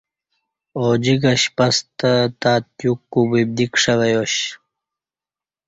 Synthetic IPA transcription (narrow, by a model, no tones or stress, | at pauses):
od͡ʑiɡɐɕpɐst̪ət̪aːt̪̚jukːubib̚d̪ikʂɐʋɐjoɕ